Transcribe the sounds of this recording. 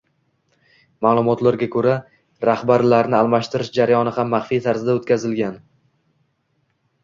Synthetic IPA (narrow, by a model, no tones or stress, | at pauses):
maːlˠʊmɒt̪laɾɡʲakʰɵɾa | ɾahbaɾlaɾnɪalˠmaʃt̪ɪɾɪʃd͡ʒaɾajɒnɪhamːaχfijt̪ʰaɾzɪd̪aot̪kʲazɪlɡʲan